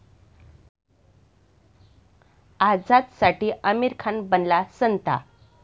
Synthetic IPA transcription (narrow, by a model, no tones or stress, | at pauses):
ad͡zat̪saʈiːʔəmiɾkʰanbənlasənt̪a̰